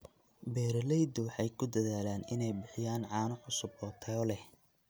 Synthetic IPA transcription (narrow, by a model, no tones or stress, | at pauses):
bɛːɾɐlɛjd̪ɔwɑħɑjkʰʊd̪ɐðaːlaːnɪnɛjbɪħɪjaːnʕɑːnʊħʊsʊbɔt̪ʰɛːɔlɛh